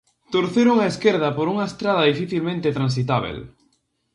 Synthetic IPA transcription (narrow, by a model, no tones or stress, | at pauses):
t̪oɾθeɾuŋɐeskeɾð̞ɐpoɾuŋɐest̪ɾaðɐðifiθilmẽnt̪et̪ɾãns̬it̪aβ̞ḛl